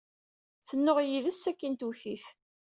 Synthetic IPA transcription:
θənːʊʁjiðəsːækːənt̪uθiθ

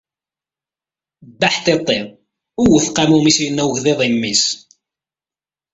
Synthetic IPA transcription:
bːaħθet̪ˤːeʁ | uwəθqamumisjənːæwʝðeðˤimːis

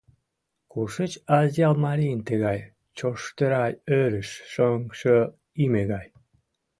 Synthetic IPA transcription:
kuʃət͡ɕɑzʲɑlmɑɾijnt̪əɣɑj | t͡ɕoʃt̪əɾɑjøɾəʃʃoŋʃo | imeɣɑj

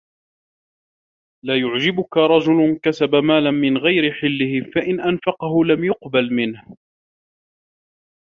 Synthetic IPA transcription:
laːjʊʕd͡ʒɪbʊkaɾˤɑd͡ʒʊlʊkasabamaːlamɪnɣajɾɪħɪlːɪhɪfaʔɪnʔanfɑqɑɦʊlamjʊqbalmɪnh

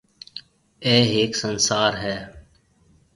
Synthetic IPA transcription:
eːɦeːksənsaːɾɦɛː

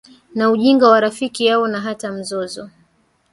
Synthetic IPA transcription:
nauʄiŋɡawaɾafikijawɔnaɦatam̩zɔzɔ

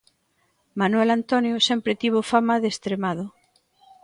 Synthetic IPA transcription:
manwelant̪onjʊsɛmpɾɪt̪iβ̞ofamaðest̪ɾemaðʊ

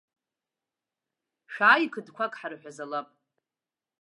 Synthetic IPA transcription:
ʂaːjikʰɨdkʷʰakʼħaɾɨħʷᶣazalapʼ

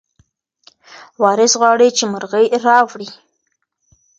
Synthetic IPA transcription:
wɑɾɪsɣwɑɽit͡ʃeməɾɣəjɾɑwɽi

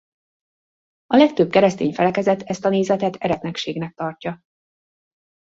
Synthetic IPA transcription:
ɒlɛk̚t̪øb̚kɛɾɛst̪ḛːɲfɛlɛkɛzɛt̪ʰɛst̪ɒneːzɛt̪ɛt̪ʰɛɾɛt̪nɛkʃeːɡnɛk̚t̪ɒrcɒ

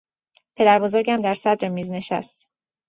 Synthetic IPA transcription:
pʰe̞d̪æɾbozoɾɟæmd̪æɾsæd̪ɾemiːzne̞ʃæ̰st̪

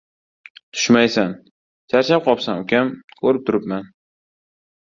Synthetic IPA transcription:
t̪ʰʊ̥ʃmajsan | t͡ʃʰaɾt͡ʃʰap̚qʰɒpsamʊkʲamkʰɵɾɪp̚t̪ʰʊɾɪpman

